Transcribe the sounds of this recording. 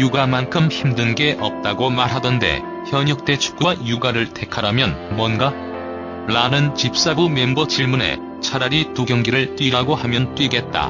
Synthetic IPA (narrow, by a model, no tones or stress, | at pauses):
juɡamankʰɯmçimdɯnɡe̞ʔʌp̚t͈aɡomaɭɦadʌnde̞̰ | çjʌɲuk̚t͈e̞t͡ɕʰu̥k͈uwajuɡaɾɯɭte̞kʰaɾamjʌnmwʌnɡa | ɭanɯnt͡ɕip̚s͈abumembʌt͡ɕiɭmune̞̰ | t͡ɕʰaɾaɾituɡjʌŋɡiɾɯɭt͈wɥiɾaɡohamjʌnt͈wɥiɡe̞t̚t͈a̰